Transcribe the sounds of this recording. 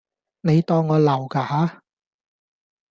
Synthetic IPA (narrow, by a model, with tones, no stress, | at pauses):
ne˨˧jt̪ɔː˧ŋːɔː˨˧lɐ˨˩wkaː˧haː˨˥